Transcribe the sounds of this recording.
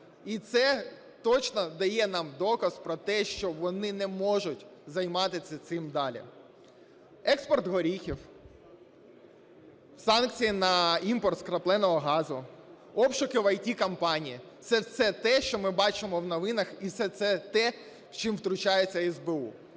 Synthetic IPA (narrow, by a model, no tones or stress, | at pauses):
it̪sɛ | t̪ɔt͡ʃnɔd̪ɐjɛnɑmd̪ɔkɐspɾɔt̪ɛʃt͡ʃɔʋɔnɪnɛmɔʒʊtʲzɐjmɑt̪ɪt͡sʲːɐt̪sɪmd̪ɑlʲḭ | ɛkspɔrt̪ɦɔɾʲixʲiw | sɑnkt͡sʲijinɐimpɔrt̪skɾɐplˠɛnɔɦɔɦɑzʊ | ɔpʃʊkɪʋɐjtʲikɐmpɑnʲijisɛsɛt̪ɛʃt͡ʃɔmɪbɑt͡ʃɪmɔwnɔʋɪnɐxisɛt̪sɛt̪ɛ | t͡ʃɪmwt̪ɾʊt͡ʃɑjet͡sʲːɐɛzbeṵ